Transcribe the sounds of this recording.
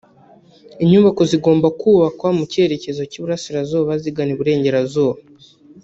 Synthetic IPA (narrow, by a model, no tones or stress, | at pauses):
iɲuːβako̞ziɡo̞ːmbakuːβakwamuce̞ɾe̞ce̞zo̞cuβuɾasiɾazoːβaziɡaniβuɾe̞ːɲɟe̞ɾazoːβa